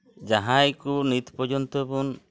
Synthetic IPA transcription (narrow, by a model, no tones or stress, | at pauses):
d͡ʒaɦãjkunit̪pɔd͡ʒɔnt̪ɔbun